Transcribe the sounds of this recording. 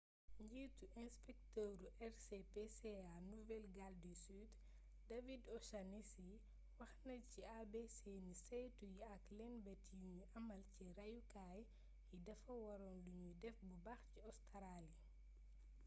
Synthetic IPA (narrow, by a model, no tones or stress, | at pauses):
ɲɟiːtuʔɛnspɛk̚tɔɾuʔɛɾsepeseanuvɛlɡaldisyd | dɐvidɔʃanisi | wɐxnɐciabesenisɛjtujiɐklɛnbɛtijuɲuʔɐmɐlcɛɾɐjukaːj | jidɐfɐwɐɾɔːnluɲudɛfbubɐxciɔstʰɐɾaːli